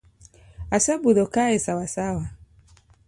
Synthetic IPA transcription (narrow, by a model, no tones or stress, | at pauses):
asɛbuðɔkaɛsawasawa